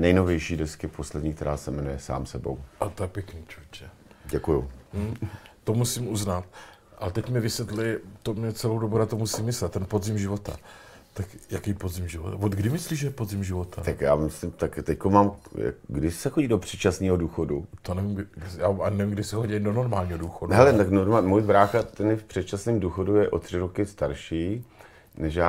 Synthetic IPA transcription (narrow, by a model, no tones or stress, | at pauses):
nɛjnovjɛjʃiːdɛskɪposlɛdɲiːkt̪ɛɾaːsɛmɛnujɛsa̰ːmsɛbo̰wʔat̪ojɛpjɛkniːt͡ʃut͡ʃɛ | ɟɛkuju | o̞musimʔuznat̪̚ | ʔalɛt̪ɛcmɪvɪsjɛt̪lɪt̪omɲɛt͡sɛlowdobunat̪omusimːɪslɛt̪t̪ɛnpo̞dzɪmʒɪvo̞t̪a̰ | t̪akjakɛjpo̞dzɪmʒɪvot̪avod̪ɡdɪmɪsliːʒɛjɛpo̞dzɪmʒɪvo̞t̪at̪akja̰ːmɪslɪmt̪akt̪ɛckomaːmja̰ɡdɪsɛxoɟiːdopr̥ɛt͡ʃasniːɦoduːxodut̪onɛvimɡɪjaːanɛvimɡdɪsɛɦoɟiɪdono̞ɾmaːlɲiːɦoduːxoduɦɛlɛt̪aknoɾmamujbɾaːxat̪ɛnjɛfpr̝̥ɛt̪̚t͡ʃasniːmduːxodujɛʔot̪r̝̥ɪɾokɪst̪aɾʃiː | nɛʃjaː